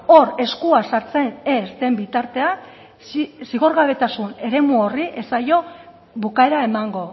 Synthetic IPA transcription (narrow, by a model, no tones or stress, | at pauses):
o̞ɾe̞skuasaɾt͡se̞ne̞sd̪e̞mbit̪aɾt̪e̞a | siɣo̞ɾɣaβ̞e̞t̪asune̞ɾe̞muo̞riʔe̞sajo̞ | βukae̞ɾae̞maŋɡo̞